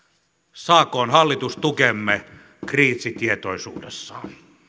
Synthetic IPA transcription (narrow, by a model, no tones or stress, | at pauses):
sɑːkːˑoːnhɑlːit̪ust̪ukemːe | kriːsit̪iet̪oˑisṵːdḛsːɑn